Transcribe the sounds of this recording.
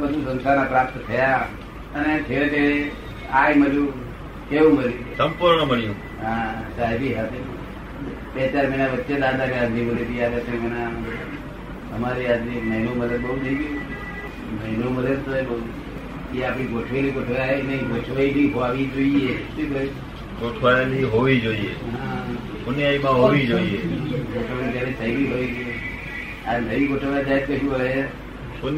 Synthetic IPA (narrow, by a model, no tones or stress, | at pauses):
bəd̪ʱusənsʰanapɾap̚t̪t̪ʰəja | ənet͡ʃʰet̪e | ajməljũ | keʋũməljusəmpuɾɳoməɭijũ | ɦãsaɦeɾiɦat̪ʰe | bet͡ʃaɾməinaʋətːʃed̪ad̪aɾiãnd̪ʱiməlet̪iaʋjat̪ʰeməna | əmaɾiad̪iməɦinomələd̪̚bəɦunəiɡiũ | məɦinoməd̪əd̪̚t̪oebəu | keapɽ̃iɡoʈʰʋelikoʈʰʋaneɡot͡ʃʰʋaibiɦoʋaʋid͡ʒoiet̪ekəi | ɡoʈʰʋajliɦoʋid͡ʒoiḛɦa | sunjaimãɦoʋid͡ʒoieɡoʈʰʋalipjaɾet̪ʰəiʋiɦoʋid͡ʒo | ad̪əʋiɡoʈʰʋajad͡ʒaɦed̪̚kəɦũje | on